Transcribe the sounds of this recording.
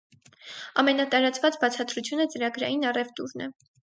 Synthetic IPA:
ɑmɛnɑt̪ɑɾɑt͡svɑt͡sbɑt͡sʰɑt̪ɾut͡sʰjunət͡səɾɑɡɾɑ̰jinɑrɛvt̪uɾnɛ̰

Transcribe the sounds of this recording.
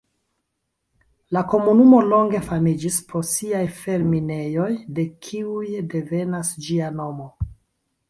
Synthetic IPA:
lako̞munumo̞lo̞ŋɡe̞famid͡ʒisposiajfe̞ɾmine̞jo̞jde̞kʰiujde̞ve̞nasd͡ʒiano̞mo

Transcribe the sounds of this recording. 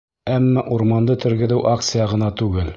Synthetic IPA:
æmːɑʔuɾmɑnd̪ɤt̪ɵ̆ɾɡɘ̆ðɘwʔakt̪sɨjɑʁɤ̆nɑt̪ʉɡɘl

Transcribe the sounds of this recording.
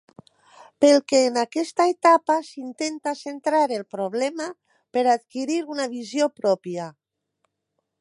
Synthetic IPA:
pelkeːnakɛst̪aet̪apasint̪ent̪asent̪ɾaɾelpɾoβ̞lɛma | peɾat̪kiɾiɾunaβizjopɾɔpja

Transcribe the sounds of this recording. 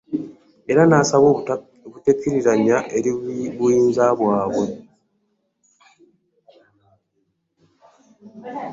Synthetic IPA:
e̞ɾanaːsaβo | βutekːiɾiɾaɲaʔe̞ɾiβuiːnzaβwaːβwe̞

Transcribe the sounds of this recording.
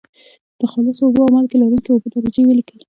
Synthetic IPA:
d̪̥əxɑlɪsoʊɡəawmalkelɑɾuŋkeobəd̪aɾad͡ʒewəlikəl

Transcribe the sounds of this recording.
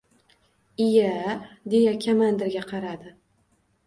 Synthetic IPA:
ɪjad̪e̞jakʲʰamand̪ɪɾɡʲaqʰɑɾad̪ɪ

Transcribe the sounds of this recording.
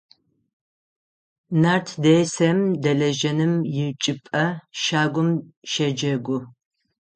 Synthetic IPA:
nartʰdejsɐmdɐɮɐʒɐnɨmjɪt͡ʃʼɪpʼɐʃaːɡʷʊmʃɐd͡ʒɐɡʷʊ

